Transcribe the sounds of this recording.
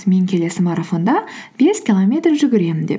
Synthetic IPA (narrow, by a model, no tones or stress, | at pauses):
me̞ŋkʲʰe̞le̞sɪmɑɾafo̞nd̪ɑb̥e̞skʲilˠo̞mʲe̞t̪rʒʏɡʲɪɾe̞mɪnd̪e̞̰p